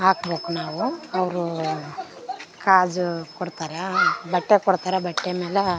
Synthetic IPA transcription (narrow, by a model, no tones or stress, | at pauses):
aːkboːknaːʋuɐʋɾu | kaːd͡ʒkɔɽt̪aːɾebɐʈːekɔɽt̪aːɾebɐʈːemeːle